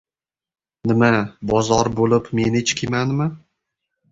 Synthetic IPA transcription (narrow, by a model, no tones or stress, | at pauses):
nɪmabɒzɒɾbolɪpmenɪt͡ʃkʲʰimanmɪ